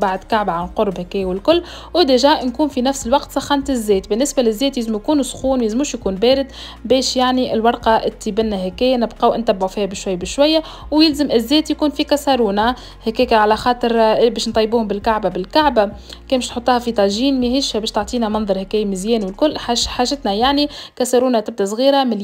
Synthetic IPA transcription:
baʕd̪kaʕbaʕanlqoɾˤbhækæːjwɪlkʊlː | wɪd̪æʒaːʔnkuːnfinæfsɪlwɑqt̪sɑxːɑnt̪ɪzːɛːt̪bɪnːɪsbælɪzːɛːt̪jɪzmujkuːnusxuːnwjɪzmuːʃjkuːnbɛːɾɪd̪ | bɛːʃjaʕniʔɪlwɑɾˤqɑʔɪt̪ːibɪnːæɦækæːjænɪbqɑːwʔɪnt̪æbːʕufiːhæbɪʃwæjːbɪʃwæjːa | wjɪlzɪmʔɪzːɛːt̪jkuːnfikæsɑɾuːna | hækɛːkæʕalæxɑːt̪ˤɨɾbɛːʃnt̪ˤɑjːbuːhʊmbɪlkaʕbabɪlkaʕbakɛːbɪʃt̪ħot̪ˤːuːhɑfit̪ˤɑʒiːnmæhɪʃhæbɛːʃt̪oʕt̪ˤiːnæmɑnðˤɑɾˤhækæːjmɪzjɛːnwɪlkʊlːħaħaːʒɪt̪næjaʕnikæsɑɾuːnat̪ɪb̚d̪æsˤɣiːɾamɪl

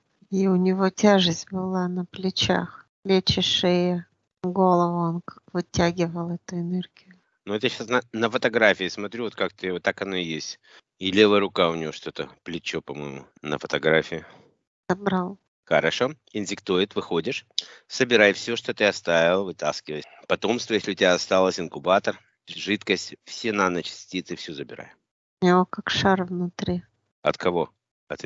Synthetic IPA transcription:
iʊnʲɪvo̞tʲaʐɨsʲt̚ʲbɨlˠanəplʲɪt͡ɕa̰xplʲet͡ɕɪʂɨjə | ɡo̞lˠəvəonkavɨtʲaɡʲɪvəlˠɛt̪ʊɪnɛrɡʲɪjʊ | nʊt̪jaɕasnənəfət̪ɐɡɾafʲɪɪsmɐt̪ɾʲuvot̪kakt̪ɨot̪ːakɐnojesʲtʲ | ɪlʲelˠəjəɾʊkaʊnʲɪjo̞ʂt̪o̞t̪ə̰plʲɪt͡ɕopɐmo̞̰jmʊ̰ | nə̰fət̪ɐɡɾafʲɪʊ | z̥ɐbɾalˠ | xəɾɐʂo̞ | ɪnʲdʲɪkt̪ujɪt̪vɨxodʲɪʂsəbʲɪɾajfsʲoʂt̪ot̪ɨɐst̪avʲɪlˠəvɨt̪askʲɪvəj | pɐt̪o̞mst̪vəjesʲlʲɪʊtʲɪbʲaɐst̪alˠəsʲtʲɪnkʊbat̪ər | ʐɨt̪kəsʲtʲfsʲenanət͡ɕɪ̥sʲtʲit̪sɨfsʲuzəbʲɪɾa̰j | nokakʂaɾvnʊt̪ɾʲi | ɐt̪kʰɐvo̞ | ɐt̪

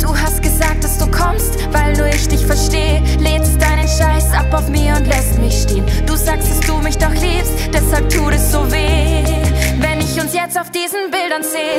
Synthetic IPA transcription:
d̥uːɦastɡ̥əzaːk̚td̥asd̥uːkʰɔmstvaɪlnuːɐɪçd̥ɪçfɛɐʃteːə | leːst̚d̥aɪnənʃaɪsʔapaʊfmiːɐʊntlɛstmɪçʃteːənd̥uːzaːkstd̥asd̥uːmɪçd̥ɔxliːpstd̥ɛshalp̚tʰuːtɛsz̥oːveː | vɛnɪçʊnsjɛt͡staʊfd̥iːzn̩bɪldɐnzeːə

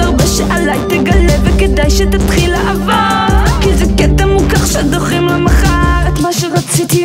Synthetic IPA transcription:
abɛʃɛʔalajt̪eɡaleveked̪ajʃet̪at̪χilaʔavokizɛkɛt̪ɛmukaχʃɛad̪oχimlamaχaʁet̪maʃeʁat͡sit̪i

